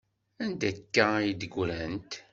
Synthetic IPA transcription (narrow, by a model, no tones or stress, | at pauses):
ænd̪ækːajid̪əɡʷɾænt̪